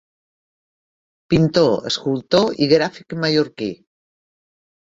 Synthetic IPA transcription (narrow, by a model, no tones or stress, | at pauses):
pint̪oə̰skulˠt̪oiɣɾafikemajoɾki